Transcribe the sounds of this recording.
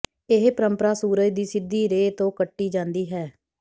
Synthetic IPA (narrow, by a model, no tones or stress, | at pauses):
ɪɦpəɾəmpəɾaːsuːɾəd͡ʒd̪iːsɪd̪ːiːɾeːt̪õːkəʈːiːd͡ʒãːnd̪iːɦɛː